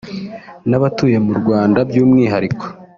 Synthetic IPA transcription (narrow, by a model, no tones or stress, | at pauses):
naβatuːje̞muɾɡwaːndabjuːmŋiːɦaɾikʰo̥